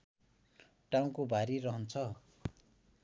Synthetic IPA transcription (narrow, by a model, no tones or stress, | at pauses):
ʈaw̃kobʱaɾiɾʌɦʌnt͡sʰʌ